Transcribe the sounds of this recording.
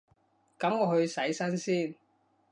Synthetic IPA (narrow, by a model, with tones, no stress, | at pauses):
kɐ˨˥mŋɔː˧ɦɵ˧ɥsɐ˨˥jsɐ˥nsiː˥n